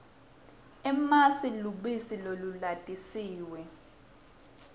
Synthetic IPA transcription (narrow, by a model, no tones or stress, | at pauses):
ɛmasiluɓisilolulatʼisiːwɛ